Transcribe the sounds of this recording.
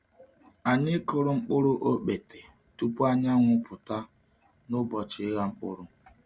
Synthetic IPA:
a˨ɲɪ˦ko˦ɾʊ˦˨ŋ͡m̩˦k͡pʊ˦ɾʊ˦ʔo˦k͡pe˨te˨ | tu˦pu˦a˦ɲa˦ŋʷʊ˦pʊ˨ta˦ | nʊ˦bɔ˨t͡ʃɪ˦ɣa˦ŋ͡m̩˦k͡pʊ̰˦ɾʊ˦

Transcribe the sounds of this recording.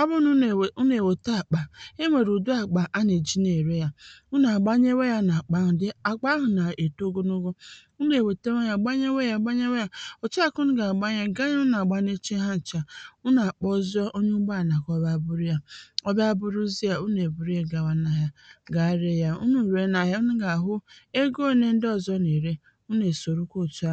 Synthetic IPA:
ɔ˦bʊ˦nu˦˨u˦ne˨we˨ta˦a˨k͡pa˨e˦me˨ɾu˨du˦a˨k͡pa˨ʔa˦ne˨d͡ʒi˦ne˨ɾe˦ja˨u˦n˦˨a˨ɡ͡ba˦ɲe˦we˦ja˦na˨a˨k͡pa˦ɦʊ˨dɪ˦a˨k͡pa˦ɦʊ˨na˨e˨to˦ɡo˦no˦ɡo˦ | u˦ne˨we˨te˦wa˦ja˨ɡ͡ba˦ɲe˦we˦ja˨ɡ͡ba˦ɲe˦we˦ja˦o˨t͡ʃi˦a˦ku˦nʊ˦ɡa˨ɡ͡ba˦ɲa˦ɡa˦ɲa˦na˨ɡ͡ba˦ne˦t͡ʃe˦ɦa˦n̩˨t͡ʃa˨u˦na˨k͡pɔ˦zɔ˦ʔo˦ɲu˦ɡ͡ba˦˨na˨kɔ˦ba˦˨bʊ˦ɾu˦ja˦ɔ˦ba˦bʊ˦ɾu˦zi˦a˨u˦ne˨bu˨ɾu˦e˦ɡa˨wa˨na˨ja˦ɡa˨˦ɾe˦ja˦ṵ˦nu˦˨ɾe˨˦na˨ja˦u˦nu˦ɡa˨ɦʊ˦e˦ɡo˦˨ne˦n̩˦dɔ˦˨zɔ˦ne˨ɾe˦ | u˦ne˨so˨ɾu˦ko˦˨tu˦a˦

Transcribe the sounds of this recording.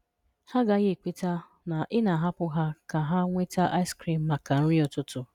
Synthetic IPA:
ha˦ɡa˦ɣe˦˨k͡pe˦ta˦ | na˨ʔɪ˦na˨ɦa˦pʊ˦ɦa˦ka˨ɦa˦ŋʷe˦ta˦ʔa˦ɪ˦skɾi˨m̩˨ma˨ka˨n̩˦ɾɪ˦ɔ˨tʊ˦tʊ˦

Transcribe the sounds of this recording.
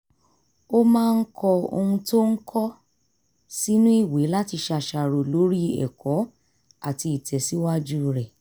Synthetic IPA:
o˦mãː˦˧n̩˦kʰɔ˧o̰˧hũ˧to˦ŋ̩˦kʰɔ˦ | si˦nũ˦i˦˨we˨˦la˦ti˧ʃa˧˨ʃa˧˨ɾo˨lo˨˦ɾi˦ɛ̰˨kɔ˨˦ | a˦˨ti˧˨tʰɛ˨si˨˦wa˦d͡ʒu˦ɾɛ˨

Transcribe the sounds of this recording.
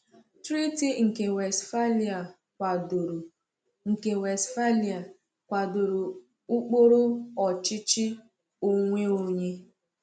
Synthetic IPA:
tɾi˦ti˦ŋ̩˨ke˨we˨sfa˦li˨a˨ | kʷa˨do˨ɾo˨ | ŋ̩˨ke˨we˨sfa˦li˨a˨ | kʷa˨do˨ɾo˨ | ʊ˦k͡po˦ɾʊ˦ɔ˨t͡ʃɪ˦t͡ʃɪ˦ | o˦ŋʷe˦o˦ɲe˦

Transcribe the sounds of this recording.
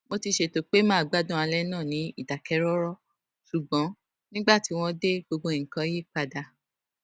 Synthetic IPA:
mo˧ti˧ʃe˧to˨k͡pe˦mãː˦˨ɡ͡ba˨˦dũ˦a˧lɛ˦nãː˦˨nĩ˨˦i˦˨da˨kɛ˨˦ɾɔ˦ɾɔ˦ | ʃu˨ɡ͡bɔ̃˨˦ | nĩ˦ɡ͡ba˦˨ti˨˦w̃ɔ̃˦de˦ɡ͡bo˧ɡ͡bõ˧i˨ŋ̩˨kã˨˧˦je˦˨k͡pa˧da˧˨

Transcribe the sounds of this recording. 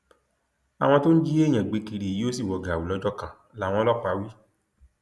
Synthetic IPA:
a˨w̃ɔ̃˧to˦n̩˦d͡ʒi˦ẽ˦˨ɛ̃˨ɡ͡be˨˧˦ki˧ɾi˨i˦o˦si˦˨wɔ˨ɡa˨a˨wu˨lɔ˨˧d͡ʒɔ˦kã˨ | la˨˦w̃ɔ̃˧lɔ˦˨k͡pa˨˦wi˦

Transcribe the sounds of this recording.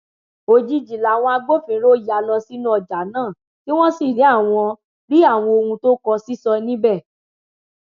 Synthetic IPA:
o˧d͡ʒi˦d͡ʒi˨la˨w̃ɔ̃˧a˧ɡ͡bo˦fĩ˨˧˦ɾo˦ja˨˦lɔ˧si˦nũ˦ɔ˨d͡ʒa˨˦nãː˦˨ | ki˦w̃ɔ̃˦si˦˨ɾĩ˨˦a˦˨w̃ɔ̃˧ | ɾi˦a˦˨w̃ɔ̃˧o˧hũ˧to˦kɔ˧si˦sɔ˧nĩ˦bɛ˦˨

